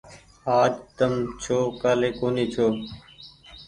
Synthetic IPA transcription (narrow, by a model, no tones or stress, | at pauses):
aːd͡ʒt̪əmt͡ʃʰoːkaːleːkoːniːt͡ʃʰoː